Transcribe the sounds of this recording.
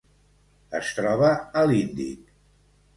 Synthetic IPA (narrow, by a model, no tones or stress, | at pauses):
əst̪ɾɔβəəlind̪ḭk